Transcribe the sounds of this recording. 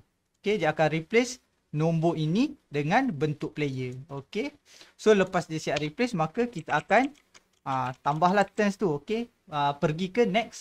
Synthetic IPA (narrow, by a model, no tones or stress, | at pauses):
okedaakanriplɛs | nõmboʔinidəŋãnbənt̪ʊʔ̚plejəoke | soləpasdiəsiaʔriplɛsmakəkit̪aakan | ət̪ambaɦlaht̪ənst̪uoke | əpərɡikənɛks